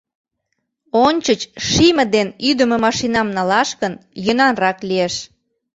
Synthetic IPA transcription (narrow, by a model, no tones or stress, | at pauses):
onʲt͡ɕət͡ɕʃimə̆d̪enyd̪əmĕmɑʃinɑmnɑlɑʃkənjənɑnrɑklieʃ